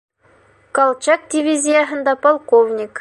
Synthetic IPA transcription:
kɑlˠt͡ɕɑk̚dʲivʲizʲijɑɦɤ̆nd̪ɑpɑlˠkovnʲik

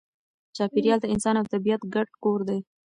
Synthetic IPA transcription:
t͡ʃɑpɪɾjɑld̪əɪnsɑnawt̪abijat̪ɡaɖ̚koɾd̪aj

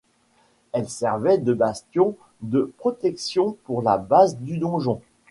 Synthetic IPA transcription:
ɛlsɛʁvɛd̪əbast̪jɔ̃ | d̪əpχɔt̪ɛksjɔ̃puʁla̰bazd̪yd̪ɔ̃ʒɔ̃

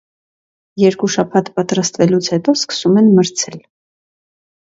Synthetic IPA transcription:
jɛɾkuʃɑpʰɑt̪pɑt̪ɾɑst̪vɛlut͡sʰhɛt̪ɔskə̥sumɛnməɾt͡sʰɛl

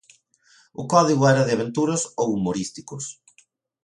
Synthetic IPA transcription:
ʊkɔðiɣʊɛɾɐðɪaβ̞ent̪uɾɐsowumoɾist̪ikʊs

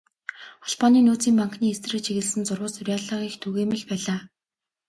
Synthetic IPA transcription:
χɔɬpɔniːnuːt͡siːmpaŋkniːest̪ʰrɘ̆kt͡ɕʰiɣɘ̆ɮsɘ̆nt͡sʊrwʊːɮsʊrʲaːɮaŋiːxt̪ʰuɣeːmɘ̆ɮpæːɮaː

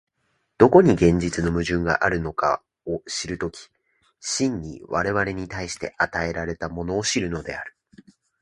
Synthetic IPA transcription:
d̪̥o̞ko̞ɲ̟iɡẽ̞ɲ̟d͡ʑit͡sɨno̞mɯ̟ʑɨ̃ŋɡa̰ʔaɾɯ̟no̞ka̰ | oɕiɾɯ̟t̪o̞kʲi̥ | ɕĩɲ̟ɲḭβaɾe̞βaɾe̞ɲ̟it̪aiɕi̥t̪e̞̰ʔat̪ae̞ɾaɾe̞t̪amo̞no̞ːɕiɾɯ̟no̞d̪e̞aɾɯ̟̥

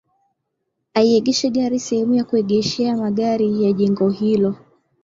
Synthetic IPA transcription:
aiɛɠɛʃɛɠaɾisɛhɛmujakuɛɠɛʃɛamaɠaɾijaʄɛŋɡɔhilɔ

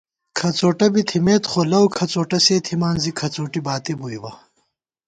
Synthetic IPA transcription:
kʰɐt͡soːʈɐbit̪ʰimeːt̪χolɐwkʰɐt͡soːʈɐseːt̪ʰimaːnzikʰɐt͡soːʈibaːt̪ibujwɐ

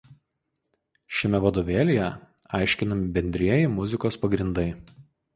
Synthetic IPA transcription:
ʃʲɛmʲɛʋɐd̪oːʋʲeːlʲejɛ | ɑˑɪʃʲkʲɪnɐmʲɪbʲɛnʲd̪ʲɾʲiɛjɛmʊzʲɪkoːspɐɡɾʲɪnd̪ɐɪ

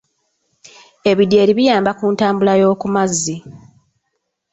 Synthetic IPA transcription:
e̞βidje̞ːɾiβijaːmbakuːntaːmbulajo̞ːkumazːi

